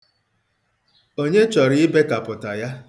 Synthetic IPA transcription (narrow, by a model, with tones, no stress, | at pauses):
o˦ɲe˦t͡ʃɔ˨ɾɪ˦ɪ˦be˦ka˨pʊ˨ta˨ja˦